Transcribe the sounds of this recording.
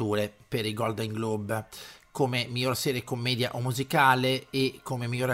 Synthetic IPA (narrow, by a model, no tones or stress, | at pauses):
uːɾepeɾiɡɔld̪eŋɡlubkomemiʎːorsɛːɾekomːɛːd̪ja̰ʔomːuzikaːleːkʰːomemiʎoɾ